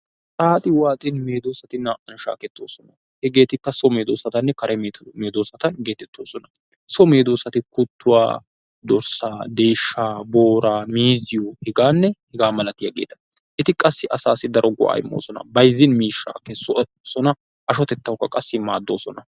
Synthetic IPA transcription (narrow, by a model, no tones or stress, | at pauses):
sʼaːt̪ʼɪwaːt̪ʼɪnme̞ːd̪o̞ːsɐt̪ɪnːɐʔɐnʃa̰ːkɛt̪ːo̞ːsɔnɐ | hɛɡe̞ːt̪ɪkːɐsɔmeːd̪oːsɐt̪ɐnːɛkɐɾʔɛmeːd̪o̞ːsɐt̪ɐnɡe̞ːt̪ːɛt̪ːoːsɔnɐ | sɔme̞ːd̪o̞ːsɐt̪ɪkʊt̪ːʊwa̰ː | d̪ɔɾsaːd̪eːjʃːaːbo̞ːɾaːmiːzɪjɔhɛɡaːnːɛhɛɡaːmɐlɐt̪ɪjɐɡḛːt̪ɐ̥ | ʔɛt̪ɪkʼɐsːɪʔɐsaːsːɪd̪ɐɾɔɡʊ̰ʔa̰ːjɪ̰mːo̰ːsɔnɐ̰bɐjzːɪnmiːʃːa̰ːkɛsɔ | sɔnɐ | ʔɐʃɔt̪ɛt̪ːɐwkːɐkʼɐsːɪmaːd̪ːo̞̰ːsɔnɐ